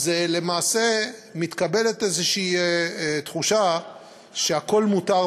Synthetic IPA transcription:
zele̞maːse̞mit̪kabe̞let̪ezeʃiː | t̪χuʃa | ʃeako̞lmutaʁ

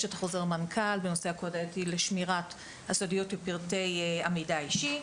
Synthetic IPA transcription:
ʃeatḁχoze̞ʁmankʰalbenosehakodetileʃmiʁat | asodijo̞tbepiʁte̞jamidaiʃi

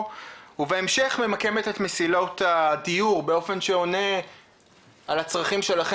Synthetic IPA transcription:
uveemʃe̞χme̞make̞met̪et̪mesilo̞t̪adijuʁbeo̞fe̞nʃeo̞ne̞ | alat͡sʁaχimʃe̞laχe

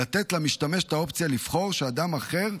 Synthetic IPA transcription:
at̪et̪lamiʃt̪ameʃe̥t̪aopt͡sijaliv̥χo̞ʁʃead̪amaχe̞ʁ

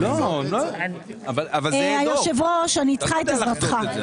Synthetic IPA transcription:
lonoavalavaeajoʃevoʃeaniːt͡sχaet̪aat̪χa

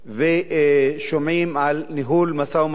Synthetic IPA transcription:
veʃomimalniɦulmasawm

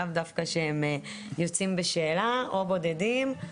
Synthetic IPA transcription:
avd̪afkaʃehem | jo̞t͡simbeʃe̞ːlaʔo̞bo̞d̪e̞dim

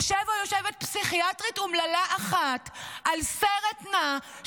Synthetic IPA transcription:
ʃevojoʃevet̪̚psiχiatʁitumlalaʔaχat̪ʔalseʁet̪na

